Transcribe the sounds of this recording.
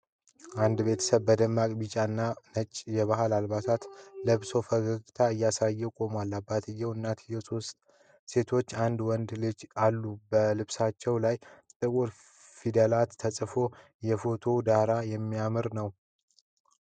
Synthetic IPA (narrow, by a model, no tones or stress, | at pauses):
ʔand̪be̞t̪ʰə̥səβbəd̪əmːakʼbit͡ʃʼanːanət͡ʃʼːjɛβaɦalalbat̪ʰat̪ləβso̞fəɡəɡt̪ʰaɨjːasajːɛkʼo̞malːabːat̪ʰɨjːɛwɨnːat̪ʰɨjːɛso̞st̪ | se̞t̪ʰo̞t͡ʃːand̪wɔnd̪lɨd͡ʒalːubəlɨβsat͡ʃːɛwlajt̪ʼɨkʼoɾ | fid̪əlat̪ʰːəsʼɨfo̞ | jɛfo̞t̪ʰo̞d̪aɾajɛmːijamɨɾnəw